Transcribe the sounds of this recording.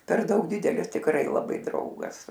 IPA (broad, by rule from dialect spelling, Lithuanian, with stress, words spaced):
pʲɛr ˈdɐʊk ˈdʲɪdʲɛlʲɪs tʲɪkˈrɐɪ lˠɐˈbɐɪ ˈdrɐʊɡɐs